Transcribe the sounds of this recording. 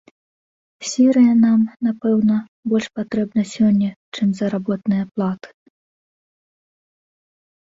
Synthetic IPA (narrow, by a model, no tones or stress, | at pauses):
sʲiɾɨjɐnamnapɛwnɐbɔlʲʂpat̪ɾɛbnɐsʲɔnʲːɐt͡ʂɨmzɐɾabɔt̪nɨjɐplˠat̪ɨ̥